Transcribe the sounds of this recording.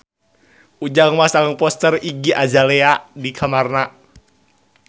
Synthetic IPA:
ud͡ʒaŋmasaŋəŋpɔst̪əriɡiʔad͡ʒaleadikʰamarna

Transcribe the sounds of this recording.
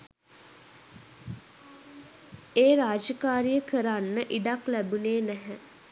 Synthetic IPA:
eːɾaːd͡ʒəkaːɾijəkəɾanːəʔiɖaklæbuneːnæɦɛ

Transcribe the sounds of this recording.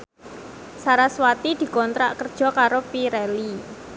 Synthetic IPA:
saɾaswat̪id̪̥i̤kɔnt̪ɾa̰ʔkərd̥ʒ̥ɔ̤kaɾopiɾɛli

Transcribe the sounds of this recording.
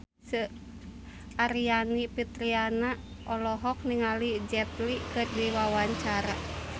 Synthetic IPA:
sə | aɾianipit̪ɾianaɔlɔɦɔk̚niŋalid͡ʒɛt̪likɨrdiwawaɲt͡ʃaɾa

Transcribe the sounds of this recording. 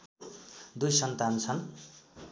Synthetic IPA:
d̪ujsʌnt̪ant͡sʰʌn

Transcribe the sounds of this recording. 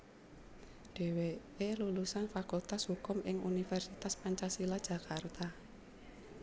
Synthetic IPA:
ɖ̥e̤we | elulusanfakult̪ashukʊmʔɪŋṵnifɛrsit̪aspaɲt͡ʃasilad̥ʒ̥ä̤kart̪a

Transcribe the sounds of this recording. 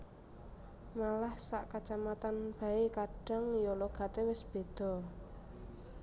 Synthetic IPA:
malahsaʔkat͡ʃamat̪anb̥a̤ekaɖ̥ə̤ŋjɔloɡ̥a̤t̪ewɪsb̥e̤d̪̥ɔ̤

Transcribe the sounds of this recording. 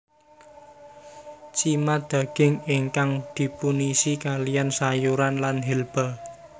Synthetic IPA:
t͡ʃimad̪̥a̤ɡ̥ɪ̤ŋeŋkaŋd̪̥i̤punisikalijansajuɾanlanɦilb̥a̤

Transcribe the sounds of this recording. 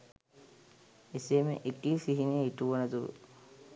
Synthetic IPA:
eseːmḛʔikiːfiɦinejiʈuʋonɐt̪uɾṵ

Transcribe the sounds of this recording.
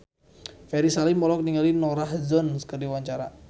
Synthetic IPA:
fɛɾisalimɔlɔk̚niŋalinɔɾahzɔnskərdiwaɲt͡ʃaɾa

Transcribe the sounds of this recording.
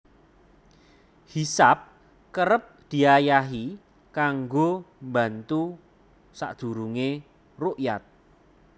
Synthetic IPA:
hisap̚ | kəɾəp̚d̪̥i̤ajaɦi | kaŋɡomba̤nt̪u | sa̰ʔd̪̥ṳɾuŋe | roʔjat̪̚

